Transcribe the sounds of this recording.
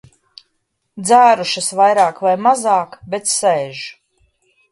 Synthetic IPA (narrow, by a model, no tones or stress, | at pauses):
d̪zaːɾuʃasvajɾaːkvajmazaːkbet̪ssɛːʒ